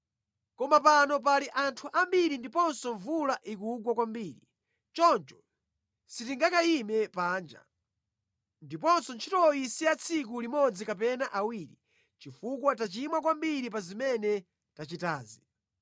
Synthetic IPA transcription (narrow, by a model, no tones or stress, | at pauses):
kɔmapanɔp̬aliʔantʰuʔambiɾindipɔnsɔɱvulaʔikuɡwakwambiːɾi | t͡ʃɔnt͡ʃɔ̥ | sit̬iŋɡakaimɛpaːnd͡ʒa̰ | ndipɔnsɔnt͡ʃʰitɔisiat͡sʰik̬ulimɔd͡zikap̬ɛnaʔawiɾi | t͡ʃifukwatat͡ʃimwakwambiɾip̬azimɛnɛ | tat͡ʃitaːzi